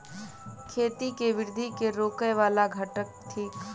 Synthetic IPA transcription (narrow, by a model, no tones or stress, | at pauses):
kʰeːt̪ikeʋɪɾd̪ʱikeɾoːkəjʋaːlaɡʱɐʈək̚ʈʰiːk